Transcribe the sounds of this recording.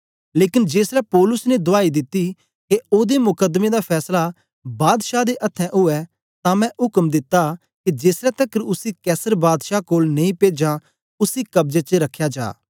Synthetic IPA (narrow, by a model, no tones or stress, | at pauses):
leːkɪnd͡ʒeːsɾɛpɔːlʊsned̪ʊaːid̪ɪt̪ːi | keoːd̪emʊkəd̪mẽd̪apʰɛːsla | baːd̪ʃad̪eʔɐt̪ʰːɛ̃ʔʊɛ | t̪ãmɛ̃ʔʊkəmd̪ɪt̪ːa | kid͡ʒeːsɾɛt̪əkəɾʊsikɛːsəɾbaːd̪ʃakoːlnẽĩpeːd͡ʒã | ʊsikɐbd͡ʒet͡ʃəɾɐkʰːjad͡ʒa̰ː